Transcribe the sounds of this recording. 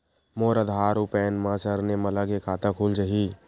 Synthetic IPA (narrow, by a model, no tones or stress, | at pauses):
moːɾəd̪ʱaːɾupɛːnmãsəɾnemɐlaɡekʰaːt̪akʰuld͡ʒəɦi